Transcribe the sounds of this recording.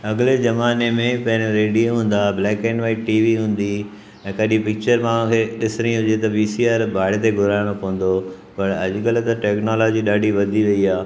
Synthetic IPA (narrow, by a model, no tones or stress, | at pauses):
ɐɡɪled͡ʑɐmaːnemẽpɐ̃ɦɪ̃ɾɾeːɖioɦũːn̆d̪ablɛːkeːnʋaːiʈiːʋiɦũːnd̪i | ɛ̃ːkɐɪɗĩpɪk̚t͡ɕəɾmãːãkʰeːɗɪsɪɾ̃ĩɦʊd͡ʑet̪ɐʋiːsiaːɾbʱaːɪɽt̪eɡʱʊɾaːɪɽ̃opɐʋ̃n̆d̪o | pɐɾɐd͡ʑɡəlt̪ɐʈɛːknɔːlɔːd͡ʑiɗaːɖʱiʋɐd̪ʱiʋɐiaː